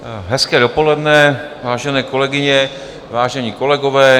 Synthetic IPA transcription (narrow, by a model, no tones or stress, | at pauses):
ɦɛskɛːdopo̞lɛdnɛ | vaːʒɛnɛːko̞lɛɡɪɲɛ | vaːʒɛɲiko̞lɛɡovɛː